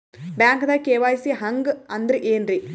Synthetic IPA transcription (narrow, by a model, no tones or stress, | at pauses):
bjaːŋkd̪aːkeːʋaːjsiɦɐŋɡɨɐnd̪ɾɨʔeːnri